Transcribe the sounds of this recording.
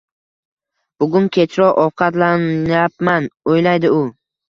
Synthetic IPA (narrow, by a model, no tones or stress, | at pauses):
b̥ʊɡʊnkʲʰe̞t͡ʃɾɒʔɒwqʰɑt̪lanjap̚manojlajd̪ɪʊ